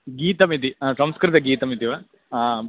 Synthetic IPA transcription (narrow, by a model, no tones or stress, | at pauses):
ɡiːt̪ɐmit̪̬isɐmskɾɪt̪ɐɡiːt̪ɐmit̪iʋɐ